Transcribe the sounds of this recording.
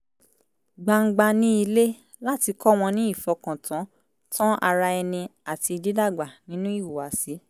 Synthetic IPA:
ɡ͡ba˧ŋ̩˦ɡ͡ba˧nĩ˦i˧le˦ | la˦ti˧kɔ˦w̃ɔ̃˧nĩ˦i˦˨fɔ˧kã˨tʰã˨˦ | tã˦ʔa˧ɾa˧ɛ˧nĩ˧a˨ti˧i˧di˦da˦˨ɡ͡ba˨nĩ˨˦nũ˦i˦˨wu˨wa˨˦si˨˦

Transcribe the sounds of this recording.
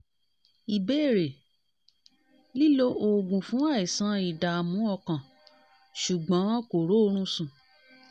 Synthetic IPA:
i˨be˦˨ɾe˨ | li˦lo˧o˨ɡũ˨fũ˨˦a˦˨i˨sã˦i˨da˨mũ˨˦ɔ˧kã˨ | ʃu˨ɡ͡bã˨˦ko˨ɾo˨˦˧ɾ̃ũ˦sũ˨

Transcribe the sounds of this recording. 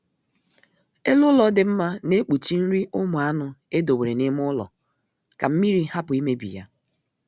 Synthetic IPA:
e˦lʊ˦lɔ˦dɪ˨m̩˦ma˦ne˦k͡pu˨t͡ʃi˦n̩˦ɾi˦ʔʊ˦mʊ˨a˦nʊ˨e˦do˨we˨ɾe˨nɪ˦m˦ʊ˦lɔ̰˨ | ka˨m̩˦mi˦ɾi˦ha˦pʊ˨i˦me˦bḭ˨ja̰˦

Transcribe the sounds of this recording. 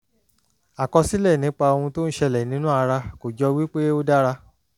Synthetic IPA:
a˨kɔ˧si˦lɛ˦˨nĩ˨˦k͡pa˧o˧wũ˧to˦ñ̩˦ʃɛ˧lɛ˨nĩ˨˦nũ˦a˧ɾa˧ko˨d͡ʒɔ˧wi˦k͡pe˦o˦da˦ɾa˧

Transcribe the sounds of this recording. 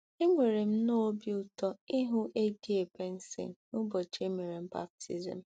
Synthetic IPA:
i˦ŋʷe˨ɾe˨m̩˦no˦bi˦ʊ˦tɔ˦i˦ɦʊ˦ʔe˦di˦e˨be˦n̩˦sḭ˨n˨nʊ˦bɔ˨t͡ʃe˦me˨ɾe˨m̩˦ba̰˦p̚tʰḭ˨zḭ˨m̩˨

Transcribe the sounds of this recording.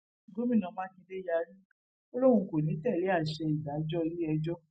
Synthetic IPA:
ɡo˦mĩ˦˨nã˨˧mãː˦kĩ˧de˦ja˧˦ɾĩ˦ | o˦lo˦ɾ̃ũ˧ko˨nĩ˨˦tɛ˦˨le˨˦a˦˨ʃɛ˧i˨da˨˦d͡ʒɔ˦˧ɾi˦ɛ˧d͡ʒɔ˦

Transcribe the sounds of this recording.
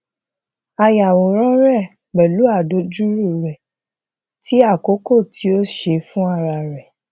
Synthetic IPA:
a˧ja˨wo˨ɾ̃ɔ̃˦ɾɛ˦˨ | ɡ͡bɛ˨lu˨˦a˦˨do˨˦d͡ʒu˦ɾu˦˨ɾɛ˨ | ti˦a˦˨ko˨˦ko˦˨tʰi˨˦o˦ʃe˧fũ˦a˦˨ɾa˧˨ɾɛ˨

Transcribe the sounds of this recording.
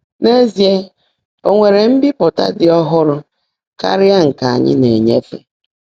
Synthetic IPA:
ne˦zi˨e˦ | o˦ŋʷe˨ɾe˨m̩˦bɪ˦pʊ˨ta̰˦dɪ˨ɔ˦ɦʊ˦ɾʊ˦ | ka̰˦ɾɪ˦a˦ŋ̩˨ka˨a˨ɲɪ̰˦ne˨ɲe˦fḛ˦

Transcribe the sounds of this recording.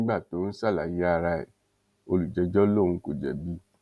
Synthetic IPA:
ɡ͡ba˦˨to˨˦n̩˦sa˦˨la˨ji˨˦a˦˧˨ɾa˧ḛ˨ | o˧lu˨d͡ʒɛ˨˧d͡ʒɔ˦lõ˦˨ũ˧ko˨d͡ʒɛ̰˨bi˦

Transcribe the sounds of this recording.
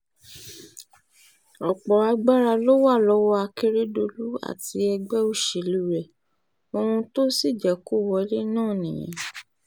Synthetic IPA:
ɔ˨k͡pɔ˨a˧ɡ͡ba˦ɾa˧lo˦wa˦˨lɔ˦wɔ˦a˧ke˦ɾe˦do˧lu˦a̰˦˨ti˧˦ɛ˧ɡ͡bɛ˦u˦˨ʃe˨lu˨˦ɾɛ˨ | o˧hũ˧to˦si˦˨d͡ʒɛ˨ku˦˨wɔ˧˦le˦nãː˦˨nĩ˨j̃ɛ̰̃˨˦

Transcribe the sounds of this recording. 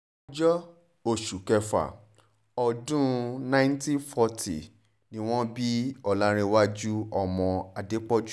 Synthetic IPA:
d͡ʒɔ˦ | o˦˨ʃu˨kɛ˧fa̰˨ | ɔ˧˨dũ˦nã˦ntĩ˦fɔ˧tḭ˨ | nĩ˦w̃ɔ̃˦bi˦ɔ˨lã˦ɾ̃e˧wa˦d͡ʒu˦ɔ˧mɔ̃˨˧a˨de˨˦k͡pɔ˦d͡ʒu˦

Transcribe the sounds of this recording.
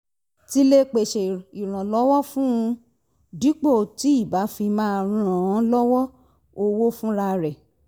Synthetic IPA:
ti˦le˦k͡pe˨ʃe˨i˨ɾ̃ã˨lɔ˨˦wɔ˦fũ˦ũ˧ | di˨˦k͡po˦˨ti˨˦i˦˨ba˨˦fĩ˧mãː˦˧ɾ̃ɾã˨ã˨˦lɔ˦wɔ˦ | o˧wo˦fũ˦ɾa˧ɾɛ˨

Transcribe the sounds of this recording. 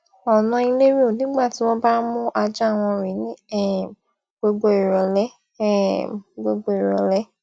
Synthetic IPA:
ɔ˨nã˨˧i˧le˦ɾi˦o˦˨nĩ˨˦ɡ͡ba˦˨ti˨˦w̃ɔ̃˦ba˦mũ˦ʔa˧d͡ʒa˦˨w̃ɔ̃˧ɾĩ˨˦nĩ˦ɛ˦˨ | ɡ͡bo˧ɡ͡bo˧i˨ɾɔ˨˦lɛ˦˨ | ɡ͡bo˧ɡ͡bo˦i˨ɾɔ˨˦lɛ˦

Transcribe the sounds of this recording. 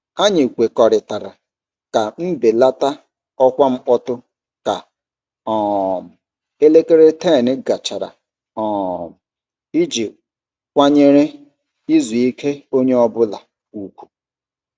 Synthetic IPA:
a˦ɲɪ˨kʷe˨kɔ˨ɾɪ˨ta˨ɾa˨ | ka˨m̩˦be˨la˦ta˦ | ɔ˦kʷa˦ŋ͡m̩˦k͡pɔ˦tʊ˦ | ka˨ | ɔ˨m̩˨ | e˦le˦ke˦ɾe˦te˦˨nɪ˦ɡa˨t͡ʃa˨ɾa̰˨ | ɔ̃˨m̩˨ | i˦d͡ʒi˨ | kʷa˦ɲe˦ɾe˦ | i˦zu˨i˦kʰe˦o˦ɲe˦ɔ˦bʊ˦la˨ | u˦kʷu̥˨

